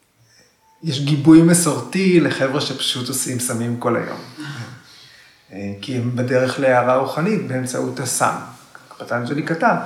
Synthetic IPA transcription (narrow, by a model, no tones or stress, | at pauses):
jeʃɡibujmesoʁtileχevʁeʃepḁʃutosimsamimko̞la̰jo̞̰m | kiembedeʁeχleaʁaʁuχanitbeemt͡sautasa̰mpatand͡ʒelikatan